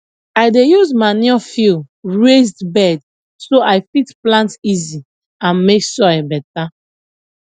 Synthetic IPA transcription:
ajdejuzmaniɔfil | ɹezdbɛd | soʔajfitplãntizi | ãnmeksɔjbɛta

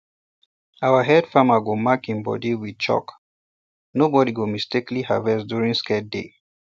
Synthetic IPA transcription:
awəɦɛd̥famaɡɔmakĩmbɔ̰diwid̚t͡ʃɔ̰k | nobɔdiɡomistikliha̰vɛsdjuɹĩŋskɛt̚dḛ

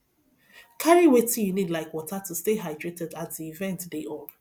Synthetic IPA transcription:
kʰaɹiwetijunidlaɪkwɔtatusteɦaɪdɹetɛdat̚ðiivɛ̃ntdeʔod̥

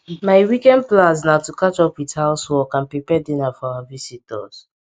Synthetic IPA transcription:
maɪwikɛ̃ndplãs̬natukat͡ʃɔpwithaʊswɔkãnpɹipɛdinafɔawavisit̚ɔ̰s

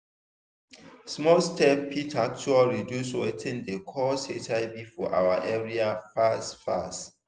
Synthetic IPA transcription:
smɔlstɛpʰitʰak̚t͡ʃualɹidjuswɛtʰɛ̃ndekʰɔsetʰaɪbifɔʔa̰waʔɛɹiafastfa̰st

